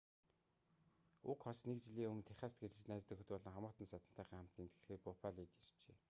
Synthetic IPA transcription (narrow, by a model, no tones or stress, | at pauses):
ʊkχɔsnek̚t͡ɕiɮiːŋɵm̆nt̪ʰæχʲaːst̪̚ɡeɾt͡ɕɘ̆næːt͡st̪ɵ̆xɘ̆t̪pɔɮɞ̆ŋχamʊːt̪ə̆nsat̪ə̆n̥t̪ʰæːχiːŋχam̥t̪iːnt̪ɡĕɮxeːrpʊpʰaɮiːt̪ir̥t͡ɕḛː